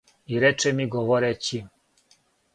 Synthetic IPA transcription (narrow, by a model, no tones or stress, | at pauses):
iɾɛt͡ʃɛmiɡoʋoɾet͡ɕi